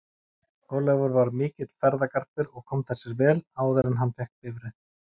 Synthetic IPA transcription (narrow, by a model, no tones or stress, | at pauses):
ɔlɛvɔɾvaɾmɪːcɪt̪l̥fɛɾðakar̥pɪɾɔɣkʰɔmθɛsːɪɾvɛːlaːwðɛɾɪnɦanːfɛhkvɪvɾɪθ